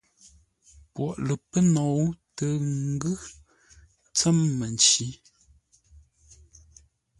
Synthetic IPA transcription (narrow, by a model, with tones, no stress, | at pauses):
pwɔ˨ʔlə˨pə˦nɔ˨wtə˨ŋ˦ɡʉ˦ | t͡sɛ˦mːə˨n˨t͡ʃi˨˦